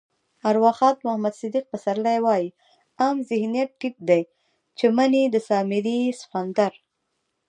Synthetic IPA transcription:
aɾwɑxɑːt̪mahmad̪sɪd̪iq̚pasaɾlajwɑji | ɑmzɪhnijat̪̚ʈːip̚d̪aj | t͡ʃemanid̪əsɑmɪɾisxand̪aɾ

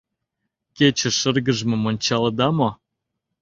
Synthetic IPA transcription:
ket͡ɕə̆ʃə̆rɣə̆ʒmɤ̆monʲt͡ɕɑld̪ɑmo

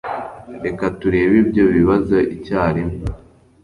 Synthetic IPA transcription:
ɾe̞katuɾe̞ːβibɟo̞βiβazoʔicaːɾimo

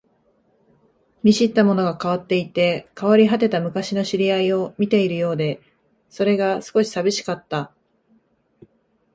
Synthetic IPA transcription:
mʲiɕit̪ːamo̞no̞ɡakaβ̞at̪ːe̞it̪e̞kaβaɾʲiɦat̪e̞t̪amɯ̟kaɕino̞ɕiɾʲiaio̞mʲit̪e̞iɾɯ̟jo̞ːd̪e̞ | so̞ɾe̞ɡasɨ̥ko̞ɕi̥sabʲiɕi̥kat̪ːa

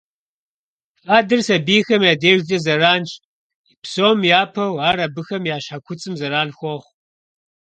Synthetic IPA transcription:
fʼaːdɨrsɐbiːxɐmjaːdeːʒd͡ʒʼɐzɐraːnt͡ʃʼ | psoːmjaːpʰɐwaːɾɐbɨxɐmjaːɕħakʷʰʊt͡sʼɨmzɐɾaːnxʷɔχʷ

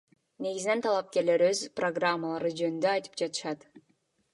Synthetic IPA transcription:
ne̞ɡizine̞nt̪ʰɑlˠɑp̚ke̞ɾle̞ɾøzproɡramːəlˠɑɾɯd͡ʒønynd̪øɑjt̪ɯ̥p̚d͡ʒɑt̪ɯ̥ʃɑt̪

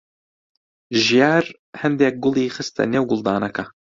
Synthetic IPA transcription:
ʒijaːɾ | hɐnd̪eːk̚ɡʊlˠiːxɨst̪ʰɐ̰neːwɡʊlˠd̪aːnɐkʰɐ

